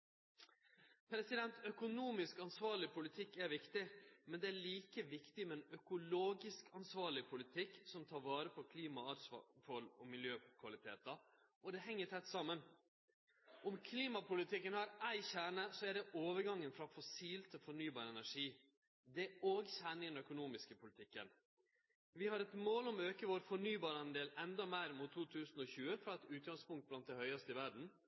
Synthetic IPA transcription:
pʰɾɛsɪd̪ɛnt̪œkʊnuːmɪskɑnsʋɑːɭɪpʰʊlɪt̪ʰɪkːæɾʋɪkt̪ɪmɛnd̪ɛæɭiːkəʋɪkt̪ɪmɛnœkʊloːɡɪskɑnsʋɑːɭɪpʰʊlɪt̪ʰɪkːsɔmt̪ʰɑːɾʋɑːɾəpʰɔkʰliːmɑɑɾsfɔlɔmɪljøːkʰʋɑlɪt̪ʰḛːt̪ɑ | ɔd̪ɛɦɛŋːət̪ʰɛt̪ːsɑmːən | ʔɔmkʰliːmɑpʊlɪt̪ʰɪkːənhɑɾæɪçæːɳəsɔæɖɛʔoːʋəɾɡɑŋːənfɾɑfɔsiːlt̪ʰfɔɳyːbɑːɾəɛnæʂiː | d̪ɛoːɡçæːɳɪŋɛnœkʊnuːmɪskəpʊlɪt̪ʰɪkːə̰n | ʋɪhɑɾɛt̪moːlɔmøːkəʋoːɾfɔɳyːbɑːɾɑnd̪eːlɛnd̪ɑmæɪɾmʊt̪ʰːuːt̪ʰʉːsn̩ɔçʉːəfɾɑɛt̪ʉːt̪̚ɡɑŋspʊŋkt̪̚blɑn̚d̪ɛhœʏɑst̪əɪʋæɖɳ̩

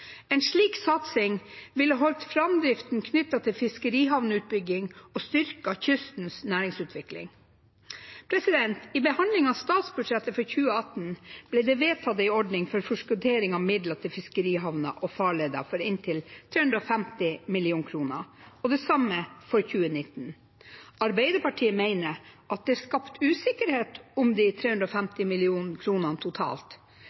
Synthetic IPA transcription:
ɛːnʂɭiːksɑt̪sɪŋʋɪlɑɦɔlt̪fɾɑmd̪ɾɪft̪n̩kʰnʏt̪ːɑt̪ʰɪlfɪskəɾiːɦɑʋnəʉːt̪̚bʏɡɪŋɔst̪ʏɾkɑçʏst̪n̩snæːɾɪŋsʉːt̪ʰʋɪklɪ̰ŋ | pʰɾɛsɪd̪ɛnt̪ibəhɑnd̪lɪŋɑst̪ɑːt̪sbʉɖʂɛt̪ːəfɔɾçʉːəɑt̪n̩b̥lɛd̪ɛʋeːt̪ʰɑd̪əɪɔɖnɪŋfɔɾfɔʂkʉt̪ʰeːɾɪŋɑmɪd̪lət̪ʰɪfɪskəɾiːɦɑʋnɑ̰ʔɔfɑːɭeːd̪ɑ̰fɔɾɪnt̪ʰɪlt̪ʰɾeːhʉnd̪ɾɔfæmt̪ɪmɪlɪuːnkʰɾuːnə̰ɔd̪ɛsɑməfɔɾçʉːənɪt̪ːn̩ | ɑɾbæɪd̪əɾpɑʈʰiːəmeɪnəɾʔɑt̪̚d̪ɛæskɑpt̪ʰʉːsɪkəɾheːt̪ʊmd̪it̪ʰɾeːʉnd̪ɾɔfæmt̪ɪmɪlɪuːnn̩kʰɾuːnɑnt̪ʰʊt̪ʰɑ̰ːlt̪

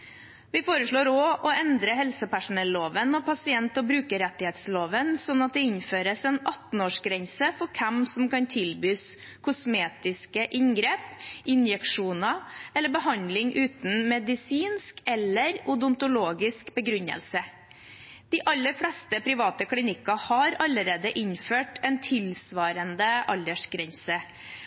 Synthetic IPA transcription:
ʋɪfoːɾəʂɭoːɾoːʔɔɛnd̪ɾəɦɛlsəpæʂʊnɛlːoːʋənɔpʰɑsɪɛnt̪ɔbɾʉːkəɾɛt̪ːɪheːt̪sloːʋənsɔnːɑt̪̚d̪ɛɪɲføːɾəsɛːnɑt̪n̩oːʂɡɾɛnsəfɔɾkʰɛmsɔmkɑnt̪ʰɪlbyːs | kʰʊsmeːt̪ɪskəʔɪɲɡɾeːpʔɪnjɛkʂuːnɑɛlːəɾbəhɑnd̪lɪŋʔʉːt̪n̩mɛd̪ɪsiːnskɛlːəɾʊd̪ʊnt̪ʊloːɡɪskbəɡɾʉɲə̰lsə | d̪̥ɪʔɑlːəɾfɽɛst̪əpʰɾɪʋɑːt̪əkʰlɪnɪkɑhɑɾɑlːəɾeːd̪əʔɪɲføːʈɛnt̪ʰɪlsʋɑːɾənd̪əʔɑld̪əʂɡɾɛɲsə

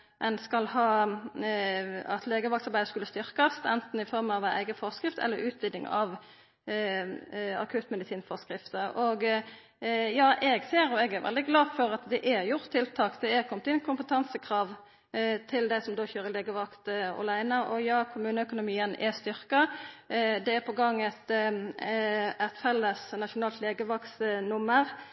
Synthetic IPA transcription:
ʔɛnskɑlhɑː | ɑt̪leːɡəʋɑk̚tsɑɾbæɪd̪əskʉlːəst̪ʏʁkɑst̪ɛnt̪n̩ɪfɔɾmɑʋææ̰ɪɡəfɔʁskʁɪft̪ɛ̰lːəɾʉːt̪ʋid̪ɪŋɑ̰ʋ | ɑ̰kʰʉːt̪mɛd̪ɪsiːnfɔskɾɪft̪əʔɔɡ | jɑːʔɛɡseːɾɔɛɡɛɾʋɛ̰ld̪ɪɡlɑːfɔɾɑt̪d̪ɛʔæɾjʊʁt̪ʰːɪlt̪ʰɑːkd̪ɛɛkʰɔmt̪ɪnːkʰʊmpət̪ʰɑnsəkʰɾɑːʋ | t̪ʰɪld̪æɪsɔmd̪oːçøːɾəleːɡəʋɑkt̪ɔ̰læɪnəʔɔjɑːkʰʊmʉːnəœkʊnʊmiːənɛst̪ʏʁkɑ | d̪ɛɛɾpʰɔɡɑŋːɛt̪ | æt̪fɛlːəsnɑʃʊnɑːlt̪leːɡəʋɑksnʊmːəʁ

